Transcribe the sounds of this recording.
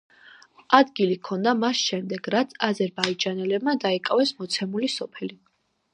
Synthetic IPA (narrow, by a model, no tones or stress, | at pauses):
ad̪ɡilikʰɔnd̪amasʃɛmd̪ɛɡɾat̪sʰazɛɾbaid͡ʒanɛlɛbmad̪aikʼavɛsmɔt̪sʰɛmulisɔpʰɛli